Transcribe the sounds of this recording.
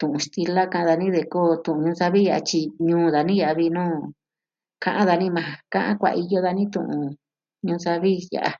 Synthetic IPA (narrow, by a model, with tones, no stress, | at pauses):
t̪ũ˨ũ˧ʂt̪i˧la˦kã˧ã˧ða˧nĩ˦ðe˧koː˦˨t̪ũ˨ʔũ˧ɲũː˧sa˧βi˦ja˨ʔa̰˧t͡ʃi˧ɲũː˦ða˧nĩ˦ja˨a˧βi˧nũː˦ | kã˧ʔã˦ða˧nĩ˦mã˧kã˦ʔã̰˦kʷa̰˨ʔi˧jo˦ða˧nĩ˦t̪ṵ̃˧˨ʔũ˧ | ɲũː˧sa˧βi˦ja̰˨ʔa˧